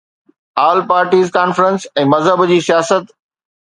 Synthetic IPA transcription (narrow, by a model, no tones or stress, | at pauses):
aːlpaːɾʈiːzkaːnfɾə̃nsɛ̃ːmɐzɦəbd͡ʑiːsijaːsət̪